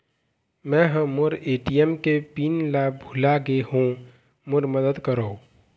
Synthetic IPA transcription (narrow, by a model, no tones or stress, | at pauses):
mɛ̃ɦə̃mʊɾeːʈijɛmkepiːnlabʱʊlaɡeɦũ | mʊɾməd̪əd̪kəɾoː